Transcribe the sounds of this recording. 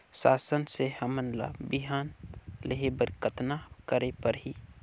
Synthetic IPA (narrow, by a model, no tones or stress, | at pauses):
saːsənsehəmənla̰biɦaːnleɦebəɾkət̪nakəɾepəɾɦiː